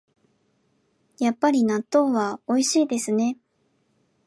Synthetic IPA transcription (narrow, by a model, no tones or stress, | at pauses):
japːaɾʲinat̪ːo̞ːβao̞iɕiːd̪e̞sɨne̞